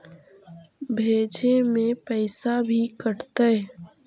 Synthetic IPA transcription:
bʱeːd͡ʒemẽpəɪsabʱikəɽt̪əɛ

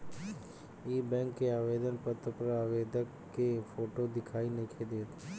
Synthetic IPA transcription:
iːbɛ̃ːŋkːeaːʋeːd̪ənpət̪əpɾaːʋeːd̪əkːepoːʈod̪ɪkʰaːineːkʰed̪eːt̪ʰe

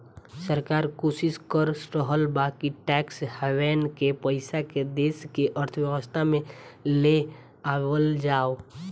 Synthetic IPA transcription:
səɾkaːɾkoːsɪskəɾsɾəɦəlbakiʈɛːkshɛʋɛːnkepəɪsaked̪eːskeʔəɾt̪ʰʋjəʋəst̪ʰamẽle | aːwəld͡ʒaːo

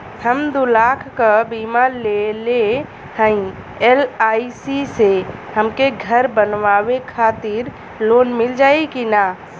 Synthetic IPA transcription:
həmd̪ulakʰkəbimalele | hə̃ĩ | elaisisehəmkeɡʱəɾbənʋaʋekʰat̪iɾ | lonmild͡ʒaːekina

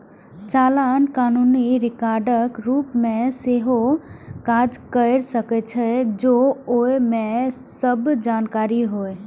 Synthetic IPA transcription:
t͡ʃalankanuniɾɪkaɾɖəkɾupmẽseɦokad͡ʒkəɾsəkɛt͡ʃʰɛd͡ʒooemesəbd͡ʒankaɾiɦoe

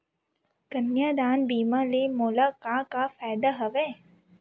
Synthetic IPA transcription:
kɐnjaːd̪aːnbiːmaːlemoːlaːkakafaːd̪aɦɐʋɛː

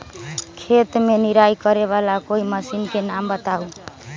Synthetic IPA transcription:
kʰet̪meniɾajkəɾeβalakoiməsinkenambət̪au

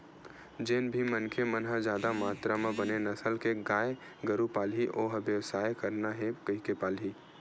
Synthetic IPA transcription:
d͡ʒeːnbʱimənkʰemənɦad͡ʒjaːd̪amaːt̪ɾamẽbɐnenɐsəlkeɡaːe | ɡəɾupaːlɦiʔoːɦʋjəʋsaːjkɐɾnaɦɛkəikepaːlɦi

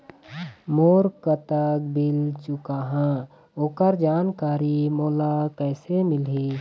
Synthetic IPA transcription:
moːɾkət̪ək̚bɪlt͡ʃʊkaɦã | oːkəɾd͡ʒaːnkaːɾimoːlapɛːsemɪlɦiː

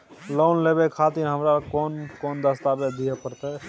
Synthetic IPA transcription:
loːnlebekʰat̪iɾɦəmɾakoːnkond̪əst̪abed̪ijepəɾt̪e

